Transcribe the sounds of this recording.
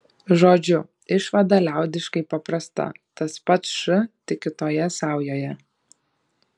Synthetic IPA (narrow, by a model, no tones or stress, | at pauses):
ʒoːd͡ʒʲʊ | ɪʃʋɐd̪ɐlʲæˑʊd̪ʲɪʃkɐɪpɐpɾɐst̪ɐ̰t̪ɐspɐt̪sʃʊt̪ʲɪkʲɪt̪oːjɛsɑˑʊjoːjɛ